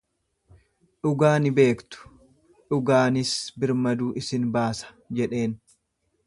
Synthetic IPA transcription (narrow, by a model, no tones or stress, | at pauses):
ᶑʊɡaːnɪbe̞ːkt̪ʊ̥ | ᶑʊɡaːnɪsbɪɾmɐd̪uːʔɪsɪnbaːsɐ̥ | d͡ʒɛᶑe̞ːn